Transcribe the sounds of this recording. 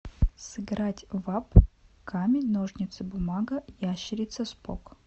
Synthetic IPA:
sɨɡɾatʲvap | kʰamʲɪnoʐnʲɪt̪sɨbʊmaɡəjaɕːɪɾʲɪt̪səspo̰k

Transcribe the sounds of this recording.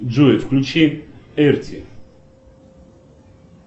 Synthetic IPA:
d͡ʒuɛfkʰlʲut͡ʃʰiɛɾt͡s̪ʰi

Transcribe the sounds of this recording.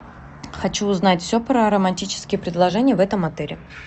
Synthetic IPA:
xɐt͡ɕuːznatʲfsʲopɾəɐɾəmɐnʲtʲit͡ɕɪ̥skʲɪjəpɾʲɪd̪lˠɐʐɛnʲɪjəvɛt̪əmɐt̪ɛɾʲɪ

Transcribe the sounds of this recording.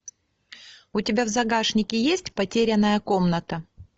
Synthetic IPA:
ʊtʲɪbʲavzɐɡaʂnʲɪkʲɪjesʲtʲpɐtʲeɾʲɪnːəjəko̞mnət̪ə

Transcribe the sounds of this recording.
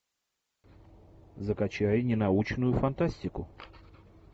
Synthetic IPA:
zəkɐt͡ɕajnʲɪnɐut͡ɕnʊjʊfɐnt̪asʲtʲɪkʊ

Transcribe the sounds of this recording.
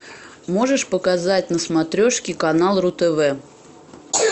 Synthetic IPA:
mo̞ʐɨʂpəkɐzat̚ʲnəsmɐt̪ɾʲoʂkʲɪkɐnalˠrʊt̪ɛvɛ

